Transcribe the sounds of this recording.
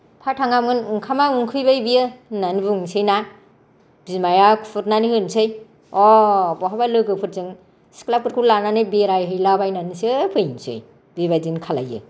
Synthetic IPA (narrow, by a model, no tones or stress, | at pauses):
pʰatʰaŋamŋɯnŋkʰamaŋɯŋkʰɯjbajbijɯnanibɯŋsɯjna | b̥imajakʰupʰɯɾnanihɯnsɯj | ɔbɔɦabalɯɡɯpʰɯɾzɯŋ | si̥klap̚kɯɾkʰulananɯbeɾajɦɯjlabajnanisɯpʰɯjnsɯ̰j | biβadinkʰala̰jɯ̰